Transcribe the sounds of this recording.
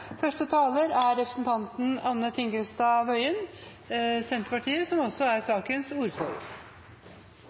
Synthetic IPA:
fœʂʈət̪ʰɑːləɾæɾɛpɾəsnt̪ʰɑnt̪n̩ɑnːət̪ʰɪŋɡɾʉst̪ɑʋœʏən | sɛnt̪əɾpɑʈʰiːəsɔmɔsɔæɾsɑːkənsuːɾfɔ̰l

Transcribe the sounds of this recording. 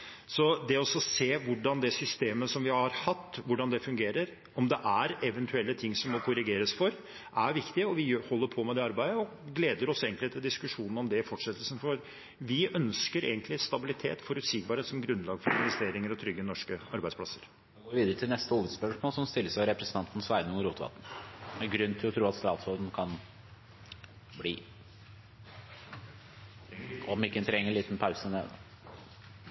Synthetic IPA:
sɔd̪ɛɔsɔseːʋʊɖɑnd̪ɛsʏst̪eːməsɔmʋɪhɑɾhɑt̪ːʋʊɖɑnd̪ɛfʉŋɡeːɾəɾ | ɔmd̪ɛʔæɾɛʋɛnt̪ʰʉɛlːət̪ʰɪŋːsɔmːɔkʰʊɾɪɡeːɾəsfɔɾ | ʔæɾʋɪkt̪ɪɔʋɪjøhɔlːəɾpʰɔmɛd̪ɛɑɾbæɪd̪əɔ | ɡleːd̪əɾɔseːɡənlɪt̪ʰɪld̪ɪskʉʂuːnn̩ɔmd̪ɛfɔʈʂɛt̪ːəlsənfɔɾ | ʋɪʔœnskəɾḛːɡənt̪lɪst̪ɑbɪlɪt̪ʰḛːt̪fɔɾʉt̪siːɡ̚bɑɾheːt̪sɔmɡɾʉnlɑːɡfɔɾɪnʋɛst̪eːɾɪŋəɾɔt̪ʰɾʏɡːənɔʂkəɑɾbæɪsplɑsːəɾ | ɛɡoːɾʋiːd̪əɾət̪ʰɪlnɛst̪əuːʋəd̪spœʂmoːlsɔmst̪ɪlːəsɑɾɛpɾɛsən̩ʰɑnt̪n̩sʋæɪnʊŋɾuːt̪ʋɑ̰t̪n̩ɛɡɾʉnːt̪ʰɪlɔt̪ʰɾuːɑt̪st̪ɑːt̪sɔld̪n̩kʰɑn | bliː | ɔmɪkːət̪ʰɾɛŋːəɭiːt̪npʰaʊsənḛːd̪ə̰

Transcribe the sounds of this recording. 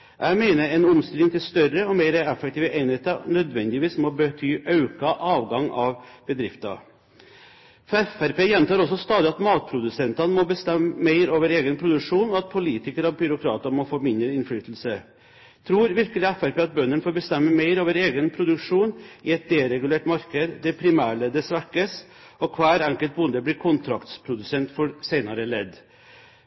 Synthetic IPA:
jʔæɪmeɪnəɾɛnʊmst̪ɪlɪŋt̪ɪlst̪œɾəɔmeɪɾəɛfːək̚t̪iːʋəʔeɪnheːt̪ənœd̪ʋɛnd̪ɪʋiːsmɔbət̪ʰyːʔɑʉkɑʔɑːʋɡɑŋɑʋbəd̪ɾɪft̪ɑ̰ | fɛfæɾpeːjɛnt̪ɑːɾɔsːɔst̪ɑːd̪ɪɑt̪mɑːt̪̚pʰɾʊd̪ʉsɛnt̪ɑnəmɔbəst̪ɛmːəmeɪɾoːʋəɾeːɡənpʰɾʊd̪ʉʂuːnɔɑt̪̚pʰʊliːt̪ɪkəɾɔʋbʏɾʊkʰɾɑ̰ːt̪əmɔfoːmɪnd̪ɾəɪnflyːt̪l̩sə | t̪ʰɾuːɾʋɪɾkəlɪæfæɾpeːɑt̪̚bœnːənfoːɾbəst̪ɛmːəmeɪɾoːʋəɾeːɡənpʰɾʊd̪ʉkʂuːnɪɛt̪̚d̪ɛɾɛɡʉleːʈmɑɾkəd̪d̪ɛpʰɾɪmæːɭəd̪əsʋæɾkəs | ɔkʰʋæːɾɛŋkəlt̪̚bʊnd̪əbliːkʰʊnt̪ʰɾɑkt̪spʰɾʊd̪ʉsɛnt̪fɔɾsæɪnɑɾəlɛd̪

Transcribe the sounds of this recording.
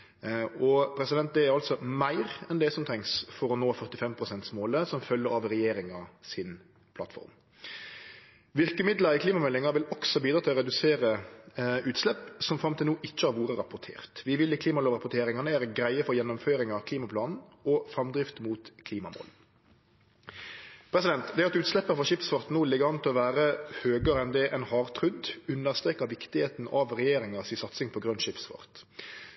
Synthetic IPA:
ɔpʰɾɛsɪd̪ɛnt̪̚d̪ɛæɾɑlt̪sɔmæɪɾɛnd̪ɛsɔmt̪ʰɛŋsfɔɾɔnoːfœʁt̪ɪfɛmpʰɾʁʊsɛnt̪smoːləsɔmfœlːəɾɑʋɾɛjeːɾɪŋɑsɪn | pʰlɑt̪fɔ̰ɾm | ʋɪʁkəmɪd̪ləɾɪkʰliːmɑmɛlːɪŋɑʋɪlɔksɔbiːd̪ɾɑːt̪ʰɪlɔɾɛd̪ʉseːɾə | ʉːt̪slɛpsɔmfɾɑmt̪ʰɪlnuːʔɪt͡ʃːəhɑɾʋuːɾəɾɑpʊɾt̪ʰḛːʁt̪ʋɪʋɪlːɪkʰliːmɑloːʋʁɑpʊt̪ʰeːɾɪŋɑnəæːɾəɡɾæɪəfɔɾjɛnːʊmføːɾɪŋɑkʰliːmɑpʰlɑːnn̩ɔfɾɑmd̪ɾɪft̪muːt̪kʰliːmɑmo̰ːl | pʰɾɛsɪd̪ɛnt̪d̪ɛæɑt̪ʉːt̪slɛpːəɾfɔʂɪpsfɔɾt̪nuːlɪɡəʋɑnt̪ʰɔʋæːɾəhøːɡəɾɛnd̪ɛʔɛnhɑːʁt̪ʰɾʉd̪ʉnːəʁst̪ɾeːkːɑʋɪkt̪ɪheːt̪n̩ɑʋʁɛjeːɾɪŋɑsɪsɑt̪sɪŋpʰɔɡɾʉnːʃɪpsfɔ̰ʁt̪

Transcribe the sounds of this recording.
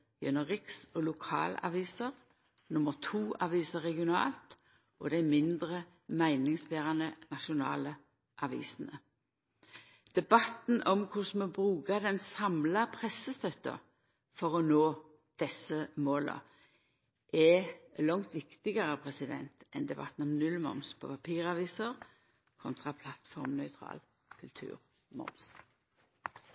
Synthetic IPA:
jɛnːəʁɪksɔlʊkʰɑ̰ːlɑ̰ʋiːsəʁ | nʊməʁt̪ʰuːʔɑʋiːsəʁɛɡɪʊnɑ̰ːlt̪ | ʔɔd̪æɪmɪnd̪ʁə | mæɪnɪŋsbeːʁɑnənɑʃʊnɑ̰ːlə | ʔɑʋḭːsən̩ə | d̪̥ɛbɑt̪n̩ʔɔmkʰʊsmɔbʁʉːkɑd̪ɛnsɑmlɑpʰʁɛsːəst̪œt̪ə̰ | fɔʁɔnoː | d̪̥ɛsəmoːlə̰ | ʔɛlɔŋt̪ʋɪkt̪ɪɡəʁəpʰʁɛsɪd̪ɛ̰nt̪ɛnd̪ɛbɑ̰t̪n̩ɔmnʉlmɔ̰mspʰɔ̰pʰɑpʰiːʁɑʋiːsəʁ | kʰɔnt̪ʰʁɑpʰlɑt̪fɔʁmnœʏt̪ʰʁɑ̰ːl | kʰʉlt̪ʰʉ̰ːʁ | mɔ̰ms

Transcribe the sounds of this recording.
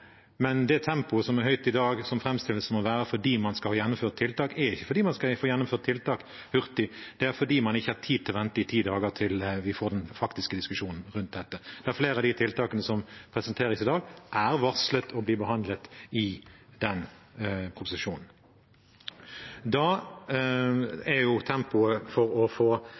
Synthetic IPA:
mɛnd̪ɛt̪ʰɛmpʊsɔmæɦœʏt̪ɪd̪ɑːɡsɔmfɾɛmst̪ɪləsəmɔʋæːʁəfɔɖiːmɑnskɑhɑːjɛnːʊmføːʁt̪ʰːɪlt̪ɑːkɛɾɪçːə̥fɔɾd̪iːmɑnskɑfoːjɛnːʊmføːʁt̪ʰːɪlt̪ɑːk | hʉʁt̪ɪd̪̥ɛæɾfɔɖiːmɑnɪçːəhɑt̪ʰiːd̪̚t̪ɪlʋɛnt̪əɪt̪ʰiːd̪ɑːɡəʁt̪ʰɪlʋɪfoːd̪ɛnfɑkt̪ɪskəd̪ɪskʉʂuːnn̩ʁʉnt̪̚d̪ɛt̪ːəd̪̥ɛæɾfleːɾəɑd̪ɪt̪ʰɪlt̪ɑːkənəsɔmpʰʁɛsənt̪ʰeːɾɪsɪd̪ɑːɡʔæʁʋɑslət̪ʰɔbliːbəɦɑnd̪lət̪ɪd̪ɛnpʰɾʊpʊsɪʂuːnn̩ | d̪ɑ | æjʊt̪ʰɛmpʊəfɔɾɔfoː

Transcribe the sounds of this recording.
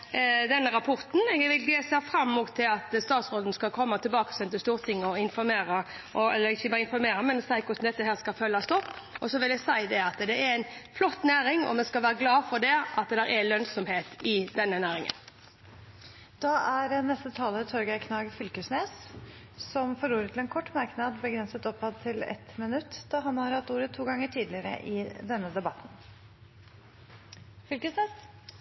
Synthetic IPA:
d̪ɛnːəɾɑpʰɔʁt̪n̩ɛɡʋɪlɡ̪eːsæfɾɑmːuːt̪ʰːɪlɑt̪st̪ɑːt̪sɾoːd̪nəskɑlkʰɔmːɑt̪ʰɪlbɑːkə̥sɛnt̪əst̪uːʁt̪ʰɪŋːəɔɪnfɔɾmeːɾə | ʔɔɛ̰lːəɾɪçːəbɑːɾɪnfɔɾmeːɾəmɛnsæɪkʰʊɾsn̩d̪ɛt̪ːəɦæːskɑfœlːɑst̪ʰɔpː | ɔsɔʋɪljɛsæɪd̪ɛɑt̪d̪ɛæɾæɪnflɔt̪ːnæːɾɪŋɔ̰mɛskɑlʋæːɾəɡlɑːfɔɾd̪ɛʔɑt̪d̪ɛɾʔɛlœnsɔmheːt̪ɪd̪ɛnːənæːɾɪŋə̰n | d̪̥ɑʔæɾnɛst̪ət̪ʰɑːlət̪ʰɔɾɡækʰnɑːɡfʏlkəsneːs | sɔmfɔɾuːɾət̪ʰːl̩ɛːnkʰɔʈːmɑɾknɑd̪bəɡɾɛnsət̪ɔpːhɑd̪t̪ʰːɪlɛ̰t̪mɪnʉt̪ːd̪̥ɑɦɑnhɑɾhɑt̪uːɾət̪ʰːuːɡɑŋːəʈʰiːd̪lɪəɾə̰ʔɪd̪ɛnːəd̪ɛbɑt̪n̩ | fʏlkəsneːs

